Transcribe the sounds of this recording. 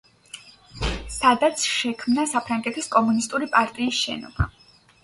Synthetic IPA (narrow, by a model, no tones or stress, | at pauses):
sad̪at̪sʰʃɛkʰmnasapʰɾaŋɡɛt̪ʰiskʼɔmunist̪ʼuɾipʼaɾt̪ʼiːsʃɛ̰nɔ̰b̥a̰